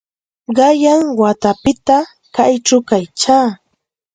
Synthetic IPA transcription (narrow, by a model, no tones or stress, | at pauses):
ɢɑjaŋwat̪apɪt̪a | kajʈ͡ʂʊkajt͡ʃaː